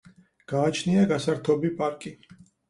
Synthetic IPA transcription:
ɡ̥aːt͡ʃʰniaɡasaɾt̪ʰɔbipʼaɾkʼi

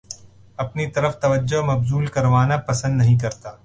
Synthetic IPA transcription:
ɐpnit̪ɐɾəft̪ɐʋəd͡ʒːoɦmɐbzuːlkɐɾʋaːnapɐsə̃nd̪nɐɦĩk̬ɐɾt̪aː

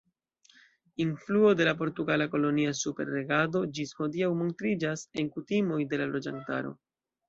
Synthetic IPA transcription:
influo̞de̞lap̬o̞ɾtuɡalako̞lo̞niasupe̞̰ɾːe̞ɡado̞d͡ʒisho̞diawmo̞ntɾid͡ʒase̞ŋkutimo̞jde̞lalo̞d͡ʒanta̰ɾo̞̰

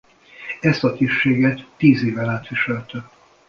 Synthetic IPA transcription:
ɛst̪ɒt̪iʃeːɡɛt̪ːiːzeːvɛlaːt̪ʋiʃɛlt̪ɛ

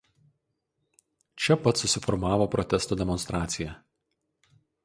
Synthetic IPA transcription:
t͡ʃʲɛpɐt̪sʊsʲɪfɔɾmɑːʋoːpɾɔt̪ʲɛst̪oːd̪ʲɛmɔnst̪ɾɑːt̪sʲɪjɛ

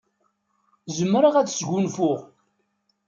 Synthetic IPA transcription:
zəmːɾəʁæðsɡunfʊʁ

